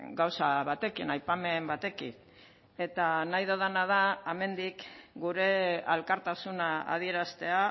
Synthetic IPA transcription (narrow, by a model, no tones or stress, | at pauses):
ɡawsaβat̪e̞kinajpame̞mbat̪e̞kḭn | e̞t̪anajðoð̞anað̞aeme̞nd̪ikɡuɾe̞alkaɾt̪asunaa̰ð̞ie̞ɾast̪e̞a